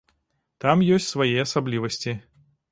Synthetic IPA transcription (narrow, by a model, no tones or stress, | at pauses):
t̪amjɔsʲtʲsvajiɐsablʲivɐsʲt͡sʲi